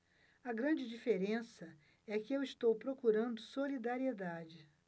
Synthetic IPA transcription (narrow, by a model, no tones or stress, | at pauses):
ɐɡɾɐ̃d͡ʒɪd͡ʒifeɾẽsɐ | ɛkɪewɪst̪owpɾokuɾɐ̃nd̪ʊsolid̪aɾied̪ad͡ʒɪ